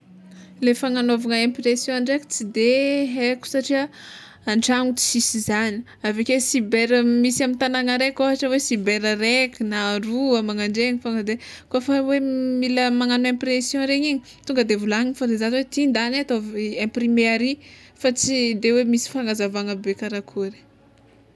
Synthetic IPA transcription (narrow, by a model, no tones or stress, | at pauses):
lefaŋanovaŋəẽmpɾesjɔ̃aɳɖ͡ʐeku̥t͡sid̪eɦeku̥saʈ͡ʂiə | aɳʈ͡ʂaŋut͡si̥sisizani̥ | avekesibeɾmisiamint̪anaŋəɾekaɦaʈ͡ʂəwesibeɾaɾekʲunaːɾuamaŋaɳɖ͡ʐeɲifaŋəd̪e | koafawemiləmaŋanuẽmpɾesjɔ̃ɾeɲiɲi | t̪uŋɡəd̪evulaŋiifad̪ezanwet̪ind̪anat̪ovẽprimeaɾifat͡sid̪ewemisi̥faŋazavaŋəbekaɾakʰuɾi̥